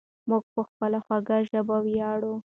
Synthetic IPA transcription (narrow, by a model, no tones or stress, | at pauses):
mʊɡ̚pəxpəlaxwaɡaʒəbawjɑɽu